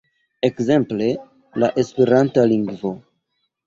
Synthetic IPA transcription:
e̞kze̞mple̞ | laʔe̞spe̞ɾantaliŋɡvo̞

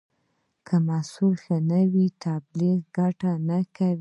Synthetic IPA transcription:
kʰəmasulxanawit̪abliɣɡaʈanakawi

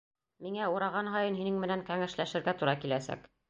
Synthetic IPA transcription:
miŋæuɾɑʁɑnɦɑjɤnɦinɘŋmɘ̆næŋkæŋæʃlæʃɘ̆ɾɡæt̪uɾɑkilæsæ̰k

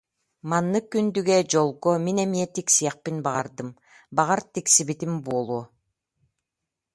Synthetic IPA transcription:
manːɯkːynd̪yɡed͡ʒolˠɡominemiet̪iksijaq̚pinbɑʁɑɾd̪ɯm | bɑʁɑɾt̪iksibit̪imbuolˠuː

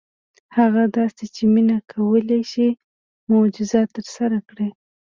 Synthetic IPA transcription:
haɣad̪ɑset͡ʃeminakʰawəlaʃi | mod͡ʒʊzɑt̪ːəɾsaɾakɽe

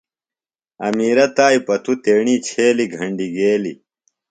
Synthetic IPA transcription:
ɐmiːɾɐt̪aːipɐt̪ʰut̪eːɳiːt͡ɕʰeːliɡʱɐɳɖiɡeːli

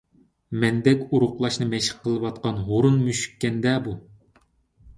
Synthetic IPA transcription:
mɛnd̪ɛkʲuɾʊqlˠɑʃnɨmɛʃə̥qʰːəlˠɨwɑt̪̚qɑnɦoɾunmyʃy̥kʲːɛnd̪ɛbu

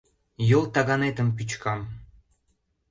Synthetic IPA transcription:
jolˠt̪ɑɣɑnet̪əmp̬yt͡ɕkɑm

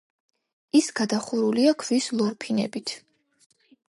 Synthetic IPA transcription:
isɡ̥ad̪aχuɾuliakʰvislˠɔɾpʰinɛ̰bit̪ʰ

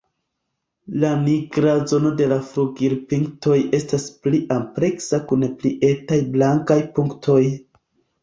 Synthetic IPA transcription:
laniɡɾazo̞no̞de̞lafɾuɡiɾpiŋkto̞je̞staspliʔampɾe̞ksakunpliʔe̞tajblaŋkajpuŋktʰo̞j

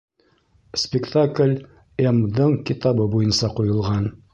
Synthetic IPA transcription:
spʲɪkt̪aklʲ | emd̪ɤɴkit̪ɑβɤbujɤnsɑqujɤ̆lˠʁɑn

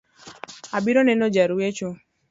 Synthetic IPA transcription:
abiɾɔnɛnɔd͡ʒaɾuwet͡ʃo

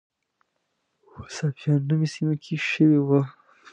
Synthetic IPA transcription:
wasafjɑnːəwisimakʰeʃəwewa

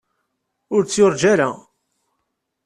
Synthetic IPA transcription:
ʊɾt͡sːjʊɾˤd͡ʒaɾa

